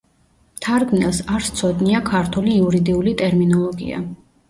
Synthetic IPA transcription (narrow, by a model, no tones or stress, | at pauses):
mt̪ʰaɾɡnɛlˠsaɾst̪sʰɔd̪niakʰaɾt̪ʰuliːuɾid̪iulit̪ʼɛɾminɔlˠɔɡḭa̰